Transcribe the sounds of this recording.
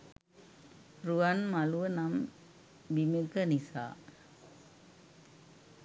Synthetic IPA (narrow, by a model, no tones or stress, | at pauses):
ɾuʋɐnmɐluʋənam | ʋimikɐnisa̰ː